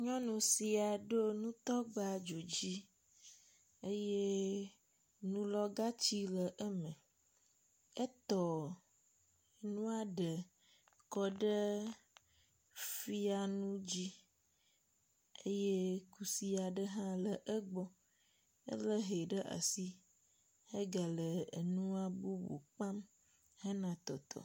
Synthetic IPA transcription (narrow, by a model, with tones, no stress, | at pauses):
ɲɔ̃˦nõ˨si˨a˨ɖo˦nũ˦t̪ɔ˦ɡ͡ba˨d͡ʒo˨d͡ʑi˦ | e˦je˦ | nũ˦lɔ˦ɡa˦t͡ɕi˦lə˨ʔə˦mẽ˨ | ə˦t̪ɔ˨ | nũ˦a˨ɖə˨ | kɔ˨ɖə˦ | fi˦a˨nũ˦d͡ʑi˦ | e˦je˦ku˦si˦a˨ɖə˦ɦã˦lə˨ʔə˦ɡ͡bɔ˦ | ə̰˦lə˦ɦe˨ɖə˦ʔa̰˨si˦ | he˦ɡa˨lə˨ḛ˨nũ˦a˦bu˦bo̰˨k͡pa˦m | he˦nã˨t̪ɔ˨t̪ʰɔ̰˨